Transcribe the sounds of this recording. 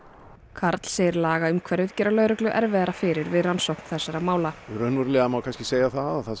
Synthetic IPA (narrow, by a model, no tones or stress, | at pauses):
kʰaɾt̪l̥seːɾlaːɣaʏmkʰvɛɾvɪðcɛːɾalœːɥɾʏklʏʔɛɾvɛðaɾafɪɾɪɾvɪðransowkn̥θɛsːaɾamaːwlaɾœnvaɾlɛɣamawkʰanscɪ̥seːjaθaðaθa